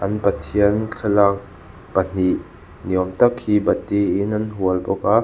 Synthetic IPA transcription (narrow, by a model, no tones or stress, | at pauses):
ʔɐnpɐt̪ʰiənkʰɐlak̚ | b̥ɐn̥iʔ | niəmt̪ɐk̚hibɐt̪iinɐnɦuəlbɔka